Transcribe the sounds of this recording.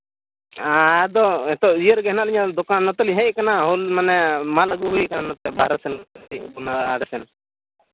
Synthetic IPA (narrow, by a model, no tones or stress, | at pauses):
aɛd̪ɔɛt̪ɔijəɾɡɛɦnaʔliɲad̪ɔkanːɔt̪ɛliɦɛckanaɦulmanɛmaləɡuɦuikananɔt̪ɛba̰ɾasɛnt̪libunaaɽɛsɛn